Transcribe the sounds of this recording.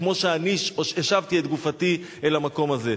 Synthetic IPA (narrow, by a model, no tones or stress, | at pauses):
kmo̞ʃeaniʃoʃeʃavt̪iet̪̚ɡufati | elamako̞maze̞